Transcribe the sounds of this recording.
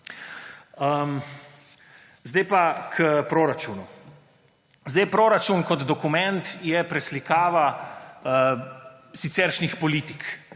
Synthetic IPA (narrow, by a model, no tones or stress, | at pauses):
əm | zd̪ɛjpakʰəpɾoːɾat͡ʃuːnu | zd̪ɛjpɾoɾat͡ʃunkɔd̪d̪ɔkumɛnt̪jɛpɾɛslikaːʋa | sit̪sɛɾʃnixpɔliːt̪ik